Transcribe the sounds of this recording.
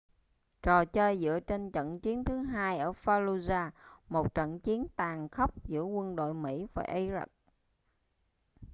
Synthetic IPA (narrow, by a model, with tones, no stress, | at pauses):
t͡ɕɔ˨˩t͡ɕəː˧jzɨ̰˧˥ət͡ɕe˧nt͡ɕə̰˧˨nt͡ɕi˨˦ənt̪ʰɨ˨˦ɦaː˧jʔəː˧˩faː˧lu˧zaː˧mo˨˩t̚t͡ɕə̰˧˨nt͡ɕi˨˦ənt̪aː˨˩ŋxə˦˥wk͡p̚zɨ̰˧˥əkwə˧nɗo̰˧˨jmḭ˧˥va̰ː˨˩ʔi˧zə̰˦˥k̚